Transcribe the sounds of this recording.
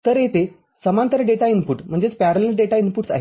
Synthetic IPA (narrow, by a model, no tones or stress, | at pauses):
t̪əɾet̪e | səmant̪əɾəɖeʈainpuʈm̤əɳd͡zet͡spæɾəlelɖeʈainpuːʈsa̰ɦe